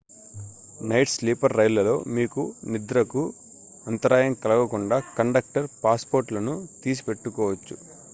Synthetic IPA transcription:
nɐjʈsliːpɐɾːɐjlɐlo̞ːmiːkunid̪ɾɐku | ɐnt̪ɐɾaːjɐŋkɐlɐɡɐkuɳɖaːkɐɳɖɐk̚ʈɐɾpaːspoːɾʈlɐnut̪iːs̬i̥pe̞ʈːukɔːʋɐt͡ʃːu

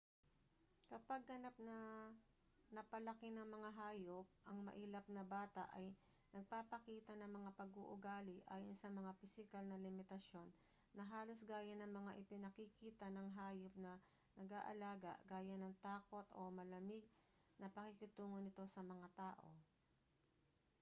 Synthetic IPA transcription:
kɐpaɡ̚ɡɐnap̚nɐ | nɐpɐlɐkɪnɐŋmɐŋaɦaːjop̚ʔɐŋmɐ̰ʔiːlɐp̚nɐbaːt̪ɐ̰ʔɐj | nɐɡ̚papɐkiːt̪ɐnɐŋmɐŋapɐɡuʔʊɡaːlɪʔaːjonsɐmɐŋapɪsɪkalnɐlɪmɪt̪ɐsjo̞nː | ɐɦaːlo̞sɡaːjɐnɐŋmɐŋaʔɪpɪnɐkɪkiːt̪ɐnɐŋɦaːjop̚nɐ | nɐɡa̰ːʔɐ̰laːɡɐ̰ʔɡaːjɐnɐŋt̪aːko̞t̪ʔo̞̰mɐlɐmɪɡ̚ | nɐpɐkikɪt̪uːŋonɪt̪o̞sɐmɐŋat̪aːʔo̞

